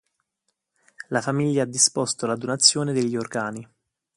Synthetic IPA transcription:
lafamiʎːaad̪ːispost̪olad̪onat̪sːjoːned̪eʎːiorɡaːni

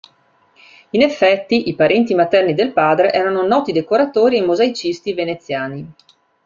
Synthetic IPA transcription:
inefːɛt̪ːiʔipaɾɛnt̪imat̪ɛrnid̪elpaːd̪ɾeʔɛːɾanonɔːt̪id̪ekoɾat̪oːɾiajmozait͡ʃist̪ivenet̪sːjaːni

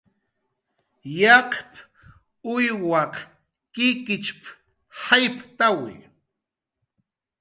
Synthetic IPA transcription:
jɑqp | ʊjwɑq | kɪkɪt͡ʃp | hajpt̪awɪ̰

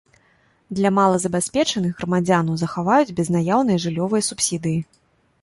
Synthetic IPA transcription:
d̪lʲɐmalˠɐzɐbʲasʲpʲɛt͡ʂɐnɨɣɣɾɐmad͡zʲanɐwzɐxavajud͡zʲbʲɛznajawnɨjɐʐɨlʲɔvɨjɐsupsʲid̪ɨji

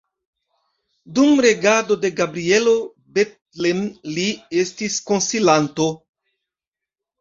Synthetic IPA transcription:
d̪umɾeɡad̪o̞d̪e̞ɡabɾielo | bet̪̚ | lemliest̪iskonsilant̪o

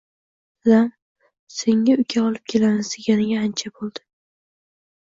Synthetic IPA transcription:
zam | se̞ŋːaʊkʲʰaɒlˠɪp̚kʲʰe̞lanɪsɪɡʲanɪɡʲaːnt͡ʃʰabolˠd̪̥ɪ

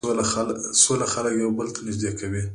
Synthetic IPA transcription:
olaasolaxaləkjawbəlt̪ʰanɪʒd̪ekʰawi

